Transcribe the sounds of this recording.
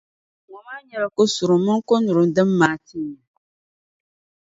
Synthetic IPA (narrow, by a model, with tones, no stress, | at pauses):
ŋɔ˨maː˦ɲɛ˨la˨ko˦su˨ɾʊ˨˦mɨ˦ŋ˦ko˦nu˨ɾɨ˨m˦dɨ˦mːaː˨ti˦˨ɲa˨